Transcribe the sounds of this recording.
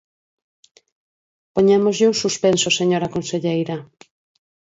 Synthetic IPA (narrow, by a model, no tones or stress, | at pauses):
poɲemozʎɪuŋsuspensoseɲoɾakonseʎejɾɐ